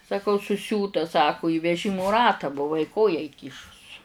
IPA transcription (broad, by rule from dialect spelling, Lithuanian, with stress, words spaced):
sɐˈkɐʊ sʊˈsʲuːtɐ ˈsɑːkʊ iː ʋʲɛˈʒʲɪmʊ ˈrɑːtɑː bʊˈʋɐɪ ˈkoːjæː iːˈkʲiːʃʊs